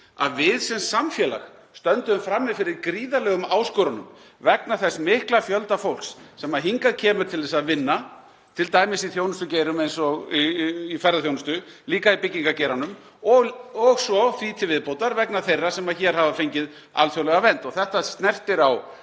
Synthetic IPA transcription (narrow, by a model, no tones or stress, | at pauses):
a̰ðvɪðsɛnsamfjɛːla̰x | st̪œnt̪ʏʏmfɾamːɪðfɪɾɪɾkɾiːðalɛːɣʏmaːwskɔːɾanʏm | vɛk̚naθɛsmɪhklafjœlt̪afowl̥ksːɛmaɦiŋkaðcʰɛːmʏɾ̥t̪ʰɪlðɛsaðvɪnːa | t̪ʰɪlt̪aːjmɪsiθjoːwnʏst̪ʏceːjɾʏmejnsɔɣː | fɛɾaðθjownʏst̪ʏ | liːkaipɪcːiŋkaceːɾanʏm | ɔɣɔɣsɔfɾiːt̪ʰɪvɪðpowt̪aɾvɛknaθejrːasɛmaðçɛɾ̥ɦavafejɲcɪð | a̰lfjowlɛɣavɛnt̪ɔɣθɛht̪ast̪nɛr̥t̪ɪɾaw